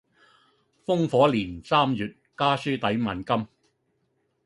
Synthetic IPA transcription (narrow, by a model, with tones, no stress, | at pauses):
fʊ˥ŋfɔː˨˥liː˨˩nsaː˥mjyː˨t̚kaː˥syː˥t̪ɐ˨˥jmɐ˨˩nkɐ˥m